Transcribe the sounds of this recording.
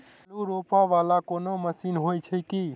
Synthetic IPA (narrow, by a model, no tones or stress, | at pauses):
luɾopaʋalakonoməsinɦojt͡ʃʰəjki